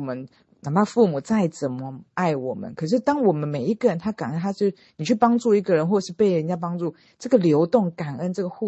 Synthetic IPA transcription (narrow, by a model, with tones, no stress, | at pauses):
mə˦n | na˨˩pʰa˥˧fu˥˩mu˨˩t͡sa˥˩ɪt͡sə˨˩nmə˦a˥˩ɪwɔ̰˨˩mə̰˦nkʰɤ˨˩ʂ̬ɻ̩˥˩t̪ɑ˥ŋwɔ˨˩mə˦nme˨˩i˧˥ɡə˨˩ɻə˧˦nt̪ʰa˥ka˨˩nə˦˥nt̪ʰa˥t͡ɕo˥˩ | ni˨˩t͡ɕʰy˥˩pɑ˥ŋʈ͡ʂu˥˩i˧˥ɡə˨ɻə˧˦nxwɔ˥˧˨ʂɻ̩˥˩pe˥˩ɪɻə˧˦nt͡ɕja˥˧p̬ɑ˥ŋt͡su˥˩ | ʈ͡ʂɤ˥˩ɡə˨ljo˧˥ʊt̪ʊ˥˩ŋka˨˩nə˦nt͡sɤ˥˩ɡə˩xu˥˨